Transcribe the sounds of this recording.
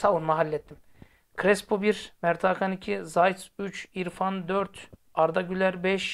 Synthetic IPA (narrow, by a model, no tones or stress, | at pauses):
savunmaɦalʲːɛt̪ʰːim | kʰɾɛspʰobiɾmæɾt̪ʰaːkʰanicʰizajt̪syt͡ʃiɾfand̪øɾt̪ | aɾd̪aɟylʲæɾbɛʃ